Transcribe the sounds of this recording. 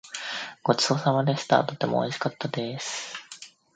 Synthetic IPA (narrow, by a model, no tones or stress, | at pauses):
ɡ̥o̞t͡ɕɨ̥o̞samad̪e̞sɨ̥t̪a̰t̪o̞t̪e̞mo̰iɕi̥kat̪ːad̪e̞sɨ̥